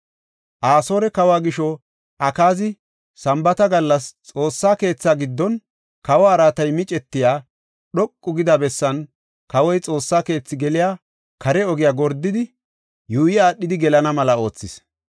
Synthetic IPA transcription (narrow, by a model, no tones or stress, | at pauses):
ʔaːso̞ːɾɛkɐwaːɡɪʃɔ | ʔɐkaːzɪ | sɐmbɐt̪ɐɡɐlːɐst͡sʼo̞ːsːaːke̞ːt͡sːaːɡɪd̪ːɔn | kɐwaːɾaːt̪ɐjmɪt͡ʃʼɛt̪ːɪjaː | ɗɔkʼːʊɡɪd̪ɐbɛsːɐn | kɐwɔjt͡sʼo̞ːsːaːke̞ːt͡sːɪɡɛlɪjaː | kʰɐɾɛɔɡɪjaːɡɔɾd̪ːɪd̪ɪ | juːjɪaːɗːɪd̪ɪɡɛlɐnɐmɐlɐo̞ːt͡sːɪs